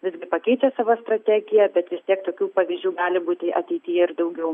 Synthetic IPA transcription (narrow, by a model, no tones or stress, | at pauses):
ʋʲɪzɡʲɪpɐkʲɛɪt͡ʃʲɛsɑːʋoːst̪ɾɐt̪ʲæːɡʲɪjɛbʲɛt̪ʋʲɪst̪ʲiɛkt̪oːkʲuːpɑːʋʲiːzʲd͡ʒʲuːɡɑːlʲɪbuːt̪ʲɪʔɐt̪ʲɛɪt̪ʲɪjɛɪrd̪ɐʊɡʲɛʊ